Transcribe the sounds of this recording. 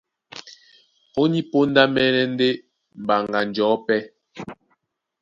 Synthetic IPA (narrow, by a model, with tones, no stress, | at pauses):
o˦ni˦po˦n˦da˦mɛː˦nɛ˦n̩˦de˦ | m̩˨ba˨ŋɡa˨n˨d͡ʒɔː˨˦pɛ˦